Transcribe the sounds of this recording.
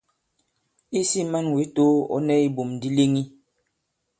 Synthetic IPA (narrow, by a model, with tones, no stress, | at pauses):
i˦si˦ma˦nwi˨˦to˦ɔ̰˦nɛ˦i˦bo˨mdi˦le˦ŋi˦